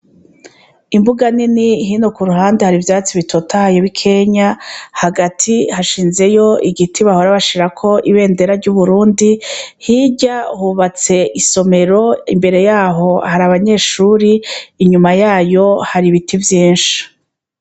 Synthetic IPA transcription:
imbuɡaniniɦino̞kuɾuɦaːndehaɾivjaːt͡siβitʰo̞tʰahajoβikʰe̞ɲahaɡatʰihaʃiːnze̞jo̞iɡitʰiβaho̞ɾaβaʃiɾakʰo̞ʔiβe̞ːnde̞ɾaɾɟuːβuɾuːndihiɟahuβat͡se̞ʔiso̞me̞ɾo̞imbe̞ɾe̞jaːɦo̞haɾaβaɲe̞ːʃuːɾiːɲumajaːjo̞haɾiβitivjiːnʃi̥

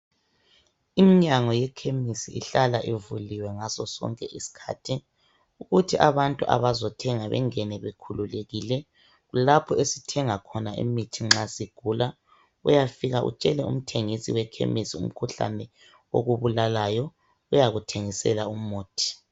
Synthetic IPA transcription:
imiɲaŋɔjɛkʰemisiʔiɬalaʔevuliwɛŋasɔsɔ̰ŋkʼɛʔisi̥kʰa̰ːtʰi | uɣutʰiʔaβantʼuʔa̰βazɔtʰɛŋaβɛ̰ŋɛnɛβekʰululeɣilɛ | ɣulapʰɔesitʰɛŋakʰɔnaʔḭmitʰiŋ͡ǁasiɡ̥ʱula | ujafiɣaʔṵt͡ʃʼɛlɛṵm̩tʰeŋisiwɛkʰḛmisiṵm̩kʰuɬa̰nɛ | o̰ɣuβulalajɔ | ujaɣutʰeŋisɛ̰laumoːtʰi̥

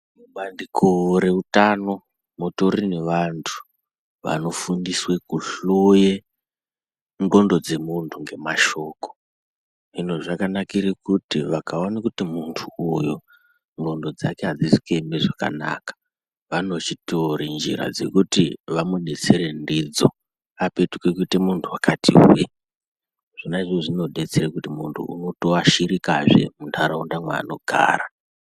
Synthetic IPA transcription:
muɓandikʰoɾe̞utano̞ | muto̞ɾineʋantʰu̥ | ʋa̰no̞fundiswe̞kuɬoje | ŋɡo̞ndo̞d͡ze̞muntʰuŋɡe̞maʃo̞ːko̥ | ino̞ʐakanakiɾikutiʋakaonakutimuntʰuːjo | ŋɡo̞ndo̞d͡zake̞ɦad͡zisi̥kembeʐaka̰na̰kḁ | ʋano̞t͡ʃitoɾind͡ʒḭɾa̰d͡ze̞̰kutiʋamuɗe̞t͡se̞ɾendid͡zo̞̰ | ape̞tukekutimuntʰuwakatʰḭwe | ʐ̥inaiʐoʐino̞ɗe̞t͡serekutimuntʰṵṵno̞to̞aʃiɾikaʐe̞̰muntʰaɾaundamwa̰ːno̞ɡʱa̰ːɾa

